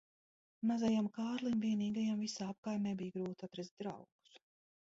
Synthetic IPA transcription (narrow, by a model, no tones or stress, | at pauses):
mazajamkaːɾlˠimviɛniːɡajamvisaːap̚kajmnɛbijɡɾuːt̪at̪ɾɛz̚ʲd̪ɾa̰wɡ̥u̥s